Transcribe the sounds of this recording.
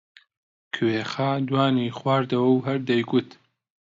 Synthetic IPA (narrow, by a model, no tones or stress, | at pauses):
kʰɨweːxaːd̪waːniːχwaːɾd̪ɐwɐwɦɐɾd̪ɐjɡʊt̪